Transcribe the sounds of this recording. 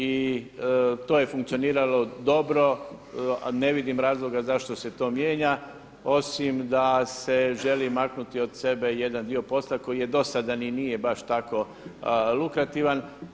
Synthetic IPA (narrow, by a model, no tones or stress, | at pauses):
i | t̪o̞ːje̞fuŋkt̪sioniːɾalo̞d̪o̞bɾo̞ | ne̞ʋid̪imɾaːzlo̞ɡazaʃt̪ose̞t̪o̞ːmje̞ːɲa | o̞simd̪ase̞ʒe̞limaknut̪io̞d̪se̞be̞je̞d̪and̪io̞po̞slako̞jije̞d̪o̞sad̪aninijebaʃt̪ako̞ | lˠukɾat̪iʋan